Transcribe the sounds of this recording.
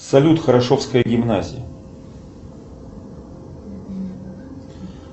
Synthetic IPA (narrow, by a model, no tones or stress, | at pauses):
sɐlʲut̪xəɾɐʂo̞fskəjəɡʲɪmnazʲɪ̰jə